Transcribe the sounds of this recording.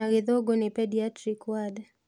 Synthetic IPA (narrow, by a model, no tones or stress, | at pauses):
aɡɪðoɡonɪpɛdiatrikwad